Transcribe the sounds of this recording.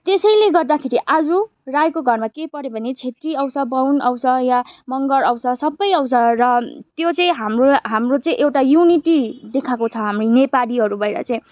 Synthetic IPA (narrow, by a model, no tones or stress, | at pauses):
t̪esʌjleɡʌrd̪akʰeɾiʔad͡zu | rajkoɡʱʌrmakepʌɾebʱʌnet͡sʰet̪riʌwsʌbʌwnʌ̰wsʌjamʌŋɡʌɾʌwsʌsʌbːʌjʌwsʰʌrʌt̪jot͡sʌĩɦamroɦamrot͡sʌĩʔewʈajuniʈid̪ekʰakot͡sʰʌɦamrinepaliɦʌɾubʱʌjɾʌ̰t͡sʌĩ